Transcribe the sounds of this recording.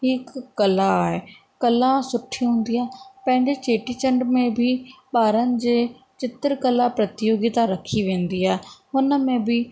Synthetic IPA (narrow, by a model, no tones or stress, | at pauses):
ɦɪkːɐlaːɦe | kɐlãsʊʈʰːiɦʊ̃ːn̆d̪iaːepɐ̃ɦɪ̃ɲd͡ʑet͡ɕeːʈit͡ɕə̃ɳɖmẽbʱiɓaːɾənɪ̆d͡ʑeː | t͡ɕɪt̪ɾkəlapɾɐt̪ɪjoːɡɪt̪aɾɐkʰiʋẽːnd̪iaːɦeɦʊnəmẽbʱi